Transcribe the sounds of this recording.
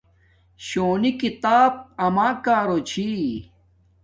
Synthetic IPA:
ɕoːnikit̪aːb̚ɐmaːkaːɾot͡ɕʰi

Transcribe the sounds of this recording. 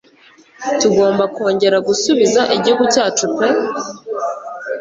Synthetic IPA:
tuɡo̞ːmbako̞ːɲɟe̞ɾaɡusuβizaʔeɟokutaːtupe

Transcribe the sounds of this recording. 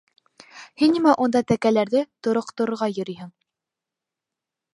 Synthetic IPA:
hinːimæʔund̪ɑt̪ækælæɾðɘt̪ŏɾŏqt̪ŏɾɤ̆ɾʁɑjɵ̆ɾijɦɘɴ

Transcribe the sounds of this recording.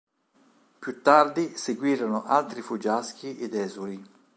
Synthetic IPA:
pjut̪ːard̪iseɡwiːɾonoʔalt̪ɾifud͡ʒask̟iʔed̪ɛːzuɾi

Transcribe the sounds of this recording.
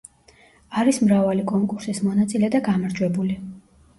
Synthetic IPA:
aɾismɾavalikʼɔŋkʼuɾsismɔnat̪sʼilɛd̪aɡamaɾd͡ʒwɛbuli

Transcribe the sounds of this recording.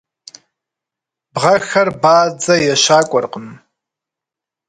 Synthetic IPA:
bʁɐxɐrbaːd͡zɐjɛʃaːkʷʼɔrqʼəm

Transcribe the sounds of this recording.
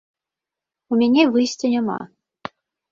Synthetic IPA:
umʲanʲɛvɨjsʲt͡sʲɐnʲama̰

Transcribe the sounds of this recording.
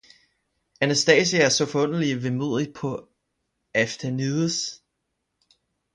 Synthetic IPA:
ænæsd̥ɛːsiæɐsɒ̽fɒɔ̽n̰ɐliʋemo̝̰ð̰ˠi̥pʰɒ̽ | æfd̥æniðˠs

